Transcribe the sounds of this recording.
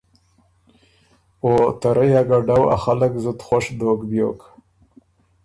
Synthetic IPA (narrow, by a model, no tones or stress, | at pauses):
ot̪aɾajaɡaɖawa̰xaləkzʊt̪xwaʂd̪okbjo̰k